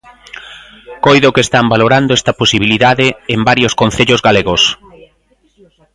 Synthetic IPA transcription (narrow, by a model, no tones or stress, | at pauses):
kojðʊkest̪ambaloɾand̪oɛst̪ɐposiβiliðaðɪembaɾjoskonθeʎʊzɣaleɣʊs